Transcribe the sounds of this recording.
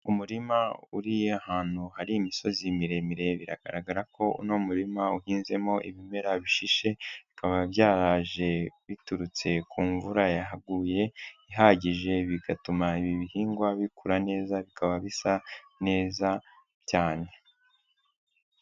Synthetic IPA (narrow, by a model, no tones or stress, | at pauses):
umuɾimauɾijeahaːn̥huhaɾiːmiso̞zimiɾe̞miɾe̞βiɾa̰ɡ̥a̰ɾaɡaɾako̞ṵnomuɾimauhiːnze̞mo̞ʔḭβime̞ɾaβiʃiʃe̞βikaβaβjaːɾaːʒe̞βituɾut͡se̞kuːɱvuɾajaɦaɡuːje̞iɦaɟiʒe̞βiɡatumaiβiβihiːŋɡwaβikʰuɾane̞ːzaβikʰaβaβisa | ne̞ːza | caːne̞